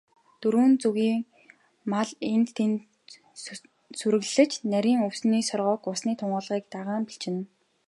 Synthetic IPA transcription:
t̪ɵɾuːnt͡suɣiːŋ | maɮent̪t̪ʰen | suɾɘ̆ɣɮɮɘ̆t͡ɕnæɾʲiːŋɵwsniːsɔrʁɔːkʊsniːt̪ʰʊɴɢə̆ːɮʁiːk̚t̪aʁaːmpiɬt͡ɕɪ̆n

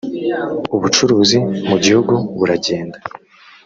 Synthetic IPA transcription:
uβut͡ʃuɾuːzimuɟihuɡuβuɾaɟeːnda

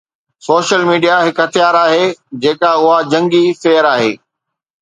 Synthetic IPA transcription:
soːʃəlmiːɖijaɦɪkɦɐt̪ʰijaːɾaːɦeːd͡ʑeːkaʊɦad͡ʑɐ̃ŋɡiseːəɾaːɦḛː

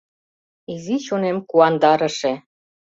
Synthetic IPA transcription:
izit͡ɕonemkuɑnd̪ɑɾə̆ʃĕ

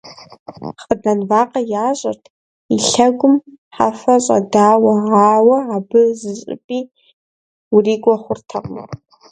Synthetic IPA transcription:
χədɐnvaːqʼɐjaːɕʼɐ̰rtʰ | iɬɐɡʷʊmħa̰fɐɕʼɐ̰daːwɐʕaːwɐabɨzɨɕʼɪ̰pʼiː | uriːɡʷʼɐχʷʊrtʰɐqʼmɐ̰

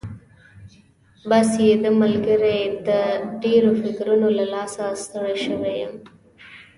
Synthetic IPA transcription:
basjed̪əmalɡəɾed̪əɖeɾofɪkɾunolalɑsast̪əɽeʃəwejəm

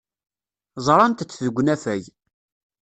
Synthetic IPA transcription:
zˤɾˤɑnt̪ət͡sːðəɡʷːnæfæj

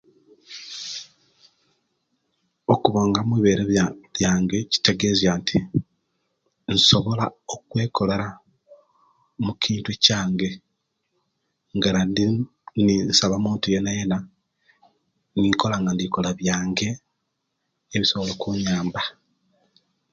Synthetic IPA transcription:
okuβoːŋɡamwiβe̞ːɾeljaːŋɡe̞ci̥te̞ɡe̞ːzjantʰi | nso̞βo̞laokwe̞ːko̞leɾa | mukʰiːntwecaːŋɡe̞ | ŋɡanandi | ninsaβamuːntuje̞naje̞na | niko̞laŋɡandiko̞laβjaːŋɡe̞ | βiso̞βolokuɲaːmba

